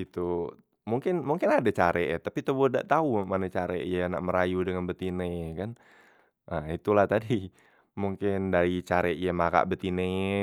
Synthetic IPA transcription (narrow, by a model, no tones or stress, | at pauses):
it̪u | muŋkɪnmuŋkɪnadat͡ʃaɾʔeʔt̪apit̪əboda̰ʔt̪aumanat͡ʃaɾeʔjana̰ʔməɾajudəŋanbət̪inekan | ʔəit̪ulaht̪adi | muŋkɪndaɾit͡ʃaɾeʔijamaka̰ʔbət̪ine